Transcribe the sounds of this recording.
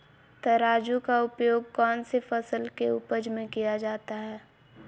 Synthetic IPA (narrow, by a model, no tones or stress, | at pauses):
t̪ɐɾaːd͡ʒukaʊpjoːɡ̚kɔːnsefɐsəlkeʊpəd͡ʒmẽkijad͡ʒaːt̪aɦɛː